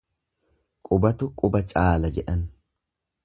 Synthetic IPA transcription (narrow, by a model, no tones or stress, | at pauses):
kʼʊbɐt̪ʊkʼʊbɐt͡ʃʼaːlɐd͡ʒɛᶑɐn